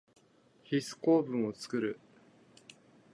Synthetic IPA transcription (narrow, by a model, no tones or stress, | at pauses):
çisɨ̥ko̞ːbɯ̟̃ɰ̃o̞t͡sɨ̥kɯɾɯ̟